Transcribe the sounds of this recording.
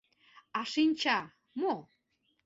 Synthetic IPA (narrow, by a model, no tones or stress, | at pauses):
ɑʃinʲt͡ɕɑ | mo